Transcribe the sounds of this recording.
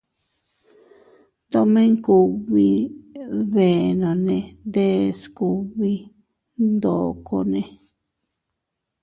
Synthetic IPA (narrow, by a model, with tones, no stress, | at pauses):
t̪o˧mẽ˦ŋku˧βi˧ | βe˨nõ˨nẽ˧nd̪e˦sku˧˨βi˧ | nd̪o˨ko̰˧nẽ˧